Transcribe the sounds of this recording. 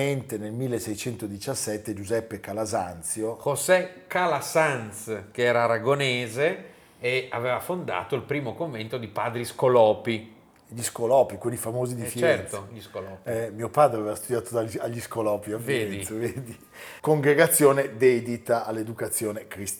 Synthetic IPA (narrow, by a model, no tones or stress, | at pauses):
ent̪enelmilːesɛjt͡ʃɛnt̪od̪it͡ʃasːɛt̪ːed͡ʒuzɛpːekalazant̪sjoxosɛkalasanskeɛːɾaɾaɡoneːze | eaveːvafond̪a̰ːt̪oilpɾiːmokoɱvent̪od̪ipaːd̪ɾiskolɔːpi | ʎiskolɔːpikwelːifamoːzid̪ifjt͡ʃɛt̪oʎiskolɔːpɛmiːopaːd̪ɾeavevast̪ud̪jaːt̪od̪aaʎːiskolɔːpiafveɛnd̪isaveːd̪i | koŋɡɾeɡat̪sːjoːned̪ɛd̪it̪aʔːlːed̪ukat̪sːjoːnekɾis